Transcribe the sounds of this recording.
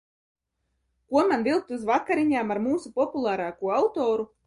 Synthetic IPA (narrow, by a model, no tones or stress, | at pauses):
kuɔmanvilˠk̚t̪uzvakaɾiɲaːmaɾmuːsupɔpulˠaːɾaːkuɔawt̪oːɾu